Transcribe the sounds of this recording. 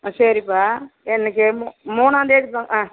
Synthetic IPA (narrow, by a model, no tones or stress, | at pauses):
sɐɾipːaːɛnːɐk̬ːɯmumuːnaːnd̪eːʈɯaːŋɡɐã